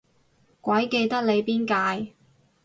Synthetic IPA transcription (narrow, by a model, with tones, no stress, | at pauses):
kʷɐ˨˥jke˧jt̪ɐ˥k̚le˨˧jpiː˥nkaː˧j